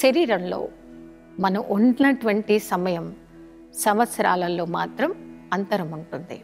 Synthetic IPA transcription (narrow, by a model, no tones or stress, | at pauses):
ʃɐɾiːɾɐmlo̞̰ː | mɐnɐmʔuɳɖinɐʈuʋɐɳʈisɐmɐjɐm | sɐmʋɐt̪sɐɾa̰ːlɐlːo̞ːmaːt̪ɾɐmɐnt̪ɐɾɐmuɳʈund̪ḭ